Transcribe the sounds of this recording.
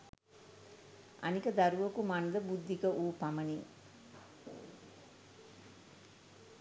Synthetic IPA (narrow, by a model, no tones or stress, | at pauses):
a̰nikəd̪aɾuʋəkumand̪əbud̪ʱːikəʔuːpaməni